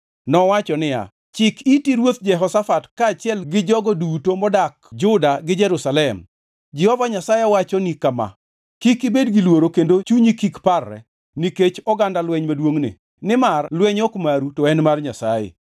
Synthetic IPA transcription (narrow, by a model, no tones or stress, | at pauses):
nɔwat͡ʃɔnɪja̰ | t͡ʃɪkitiɾwot̪̚d͡ʒɛɦɔsafatkaːt͡ʃɪɛlɡɪd͡ʒɔɡɔdutomɔdakd͡ʒʊdaɡɪd͡ʒɛɾusalɛm | d͡ʒɛhɔvaɲasajeɔwat͡ʃɔnikama̰ | kikibedɡilwoɾokendot͡ʃuɲikikparːɛ̰ | niket͡ʃɔɡandalwɛɲmadwoŋnɪ̰ | nɪmarlwɛɲɔkmaɾutɔɛnmarɲasajḛ